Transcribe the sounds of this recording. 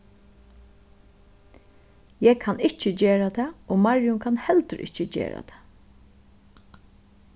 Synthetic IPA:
jɛːɡ̚kʰanɪht͡ʃəd͡ʒeːɹat̪ʰɛːoːmaɹjʊŋkʰanhɛlt̪əɾʔɪ̰ht͡ʃəd͡ʒḛːɾa̰t̪ʰɛ̥ː

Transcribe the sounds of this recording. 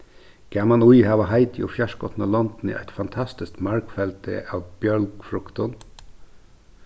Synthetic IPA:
ɡ̥æmɑnʊjhɑːʋəɦɑɪt̪iɔfjæʂkɔt̪nɑlɔnd̪̥n̩ḭʔæ̰ɪt̪fɑnt̪ʰɑst̪ɪst̪mɑɹkfɛlt̪ə̰ʔɑːʋb̥jœlɡfɾʊkt̪ɔn

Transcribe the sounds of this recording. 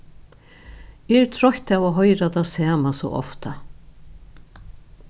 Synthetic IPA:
ɛɹt̪ʰɾɔçt̪avaːɦɔjɾatasaːmasɔ̰ʔɔ̰ft̪a

